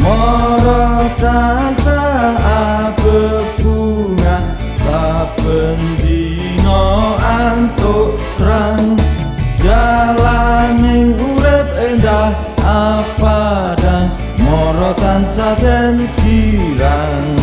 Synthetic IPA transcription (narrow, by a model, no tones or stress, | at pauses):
mɔɾɔt̪ansaː | bəbuŋa | sab̥əndi | nɔant̪oʔt̪ɾaŋ | d͡ʒalanɪŋulɪp̚end̪ah | apadaŋ | mɔɾɔt̪ansad̪ənɡiɾaŋ